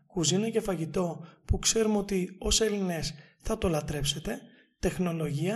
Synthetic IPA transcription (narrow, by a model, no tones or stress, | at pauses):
kuzinɐce̞fɐʝit̪o̞pukse̞ɾumo̞t̪io̞se̞line̞s | θɐt̪o̞lɐt̪ɾe̞pse̞t̪e̞ | t̪e̞xno̞lo̞ʝiɐ